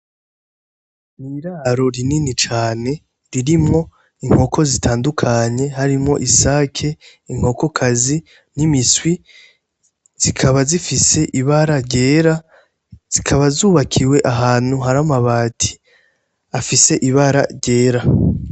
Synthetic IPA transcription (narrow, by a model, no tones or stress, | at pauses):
niɾaːɾo̞ɾininit͡ʃaːne̞ | ɾiɾimŋo̞ | iŋ̥ho̞kʰo̞zitʰaːndukʰaɲe̞haɾimŋo̞̰ʔisaːkʰe̞ | iŋ̥ho̞ko̞kʰazi | nimiswi | z̥ikʰaβazifise̞ʔiβaɾaɾɟe̞ːɾa | z̥ikʰaβazuːβakʰiwe̞ʔaɦaːn̥huɦaɾamaβaːtʰi̥ | afise̞ʔiβaɾa̰ɾɟe̞ːɾa